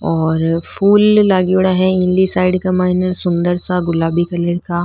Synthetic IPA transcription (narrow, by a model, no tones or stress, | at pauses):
ɔːɾfuːlːaːɡiʊɽaɦɛɪ̃nlisaːɪɖkamaːɪnəɾsʊ̃nd̪əɾsaɡʊlaːbikɐleɾka